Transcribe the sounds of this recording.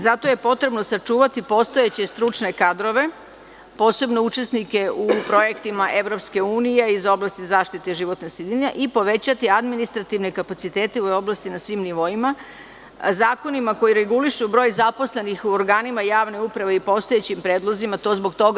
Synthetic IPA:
zat̪o̞je̞po̞t̪ɾe̞bnosat͡ʂuːʋat̪ipo̞st̪o̞et͡ɕe̞st̪ɾut͡ʂne̞kad̪ɾo̞ʋe̞ | po̞ːse̞bno̞ut͡ʃe̞snike̞upɾo̞je̞kt̪imaʔeʋɾo̞pske̞uːnije̞izo̞blˠast̪izaːʃt̪it̪eʒiʋo̞t̪nosid̪iɲaʔipo̞ʋe̞t͡ɕat̪iad̪minist̪ɾat̪iʋne̞kapat̪sit̪eːt̪e̞ujo̞blˠast̪inasʋiːmniʋo̞ima | zaːko̞nimako̞jiɾe̞ɡuliʃubɾo̞ːjzapo̞sle̞nixuoɾɡaːnimajaːʋneupɾaʋe̞ipo̞st̪o̞je̞t͡ɕimpɾeːd̪lˠozimat̪o̞zboɡt̪o̞ɡ

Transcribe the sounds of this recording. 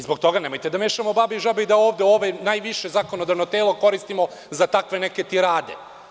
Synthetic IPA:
izbokt̪o̞ɡanemo̞jt̪ed̪ameːʃamo̞babiʒabeid̪aoːʋd̪eoʋenajʋiʃe̞zaːkonod̪aʋnot̪eːlˠoko̞ɾist̪imo̞ | zat̪akʋe̞neke̞t̪iɾaːd̪e̞̰

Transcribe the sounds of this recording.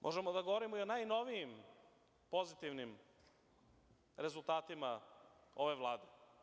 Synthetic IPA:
mʔo̰ʒemod̪aɡoʋoɾimoio̞najno̞ʋijim | po̞zit̪iʋnim | ɾe̞zulˠt̪aːt̪imao̞ʋe̞ʋlˠaːd̪e

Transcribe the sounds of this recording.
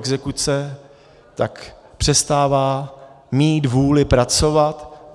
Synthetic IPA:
ɡzɛkut͡sɛ | t̪ak | pr̝̥ɛst̪aːvaː | miːt̪vuːlɪpɾat͡so̞vat̪

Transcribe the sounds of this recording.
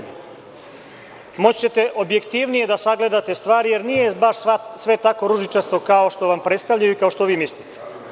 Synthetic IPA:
mo̞t͡ɕt͡ɕe̞t̪e̞ʔo̞bje̞kt̪iʋnije̞d̪asaɡle̞d̪at̪e̞st̪ʋaːɾije̞ɾnijebaʂsʋe̞t̪ako̞ɾuʒit͡ʃast̪okao̞ʃt̪o̞ʋampɾet̪st̪avʎajuikao̞ʃt̪o̞ʋiːmislit̪e̥

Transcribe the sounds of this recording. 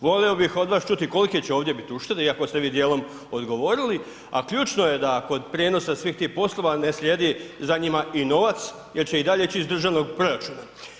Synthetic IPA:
ʋo̞leobixo̞d̪ʋaːst͡ʃut̪iko̞like̞t͡ɕeo̞ːʋd̪je̞bit̪iuʃt̪eɾeiako̞st̪e̞ʋiːd̪jeːlˠo̞m | o̞d̪ɡo̞ʋo̞ːɾili | a̰kʎuːt͡ʃnoje̞d̪ako̞d̪pɾjeno̞sasʋiːxt̪iːhpo̞slˠo̞ʋane̞sʎʲe̞d̪izaɲimaʔino̞ʋat̪s | je̞ɾt͡ɕeid̪aʎet͡ɕiːzd̪r̩ʒaʋno̞ɡpɾo̞ɾat͡ʃuːna

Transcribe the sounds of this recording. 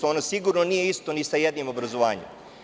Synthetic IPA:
oonosiɡuɾno̞nije̞ist̪o̞nisajed̪nimo̞bɾazoʋaːɲḛm

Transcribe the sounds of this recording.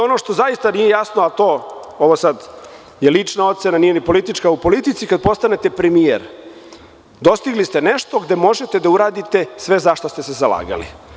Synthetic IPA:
o̞no̞ʂt̪o̞zajist̪anijejasnoat̪o̞ː | oʋosad̪ | jelit͡ʂnao̞t̪se̞nanijenipo̞lit̪it͡ʃkaupo̞lit̪it̪sikad̪̚po̞st̪ane̞t̪e̞pɾemijḛɾ | d̪o̞st̪iɡlist̪e̞neʃt̪o̞ɡd̪e̞mo̞ʒet̪e̞d̪auɾaːd̪it̪e̞sʋe̞zaʃt̪ost̪ese̞zala̰ːɡa̰lḭ

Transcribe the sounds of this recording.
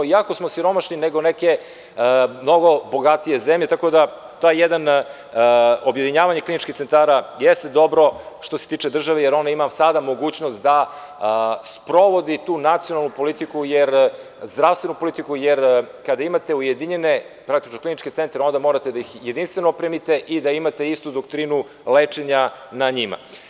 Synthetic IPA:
iakosmosiɾo̞maʃnineɡo̞neke̞ | mno̞ɡo̞bo̞ɡat̪ije̞zemʎe̞t̪ako̞d̪a | t̪ojejed̪an | objed̪iɲaːʋaɲeklinit͡ʃkʲit̪se̞nt̪aːɾajɛst̪ed̪o̞bɾo̞ʃt̪ose̞t̪iːt͡ʃed̪r̩ʒaʋejeɾo̞nd̪aimasad̪amo̞ɡuːt͡ɕnost̪d̪a | spɾo̞ʋo̞d̪it̪uːnat̪sijo̞nalnupo̞lit̪ikujeɾ | zd̪ɾafst̪ʋe̞nupo̞lit̪ikujeɾ | kad̪aimat̪e̞ujed̪iɲenepɾak̚t̪i̥t͡ʃnoklinit͡ʃket̪sent̪ɾeo̞nd̪amo̞ɾat̪e̞d̪aixje̞d̪inst̪ʋe̞nopɾemit̪eʔid̪aimat̪eist̪ud̪okt̪ɾinu | let͡ʂeɲanaɲima̰

